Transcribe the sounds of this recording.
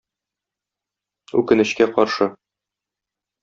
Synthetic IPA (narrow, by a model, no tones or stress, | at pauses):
ʉ̰kɘ̆nɘ̆ɕkæqɒɾʃɤ